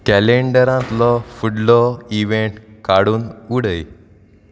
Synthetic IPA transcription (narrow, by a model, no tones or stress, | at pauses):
kæleɳɖəɾãt̪lɔfuɽlɔiʋeɳʈkaɽuːnuɽəj